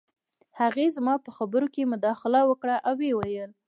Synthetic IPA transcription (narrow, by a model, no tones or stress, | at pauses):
haɣezmɑpəxabəɾokemʊd̪ɑxɪlawəkɽaʔawːewajəl